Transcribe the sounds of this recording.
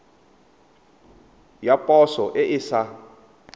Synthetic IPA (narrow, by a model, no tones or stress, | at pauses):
japʼɔsɔʔeʔɪsa